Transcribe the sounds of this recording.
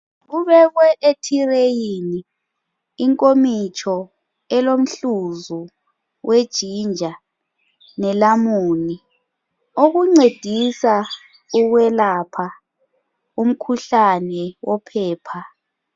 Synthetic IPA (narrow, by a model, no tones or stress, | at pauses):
ɣuβɛɣwɛʔetʰirejiniː | ŋkʼomit͡ʃʰʼɔ | ɛlom̩ɬuzu | wʔed̥ʒ̥ʱind͡ʒʱa | nɛlamuːni | oɣuŋ͡ǀed̥ʱisa | uɣwɛlapʰa | um̩kʰuɬanɛwɔpʰɛːpʰa